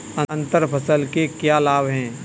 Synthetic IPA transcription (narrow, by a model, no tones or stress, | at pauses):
ɐ̃ə̃nt̪əɾpʰəsəlkekjalaːbɦɛ̃ː